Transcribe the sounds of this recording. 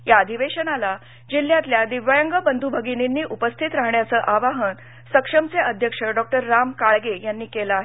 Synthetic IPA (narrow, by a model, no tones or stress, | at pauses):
jaəd̪ʱiʋeɕənala | d͡ʑil̤ːjat̪ljad̪iʋajəŋɡəbənd̪ʱubʱəɡininːiːʔupəst̪ʰit̪ɾaɦɳjat͡səːʔaʋaɦən | səkʂəmt͡seʔəd̪ʱjəkʂəɖɔk̚ʈəɾːamkaɭɡejanːiːkeləaɦee